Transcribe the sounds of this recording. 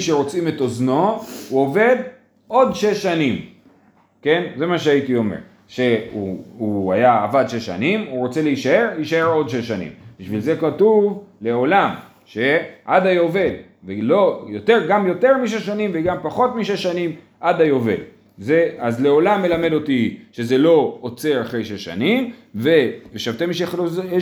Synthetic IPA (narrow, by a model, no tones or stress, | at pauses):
ʃe̞ʁo̞t͡simet̪o̞zno̞uo̞ve̞d̪ | od̪ʃeʃːanim | ke̞nze̞maʃeait̪io̞mḛʁ | ʃe̞uuajaːvadʃe̞ʃa̰nimuʁo̞t͡se̞leiʃae̞ʁiʃae̞ʁo̞dʃeʃanḭmbiʃvilze̞katuvle̞o̞lam | ʃe̞ʔad̪ajo̞ve̞l | velo̞jo̞t̪e̞ʁɡamjo̞t̪e̞ʁmiʃ̬eʃanimveɡampaχo̞tmiʃ̬eʃːanim | ʔad̪ajo̞ve̞̰l | zeazle̞o̞lamːe̞lame̞d̪o̞t̪iʃe̞ze̞lo̞ot͡se̞aχʁejʃeʃa̰nimveveʃavtemiʃaχloz